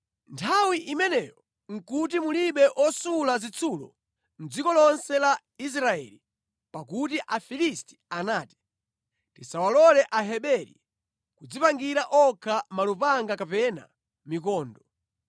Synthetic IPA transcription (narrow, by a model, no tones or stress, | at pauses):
ntʰawiʔimɛnɛjɔ | ŋ̩kut̬imuliɓɛʔɔsulazit͡sʰulɔ̰ | n̩d͡zikɔlɔnsɛla | is̬ɾaɛ̰li | pakutiʔafilisti̥anaːti̥ | tisawalɔlɛʔaɦɛɓɛɾḭ | kud͡zipaŋɡiɾaʔɔkʰamalupaŋɡakapɛna̰ | mikɔːndɔ